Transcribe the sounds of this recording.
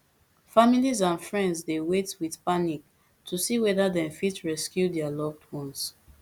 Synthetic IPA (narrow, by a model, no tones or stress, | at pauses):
familizãnfɹɛ̃ndsdewetwiðpanik̚ | tʰusiwɛdadɛ̃mfitɹɛskjudɛalɔvdhɔ̃ns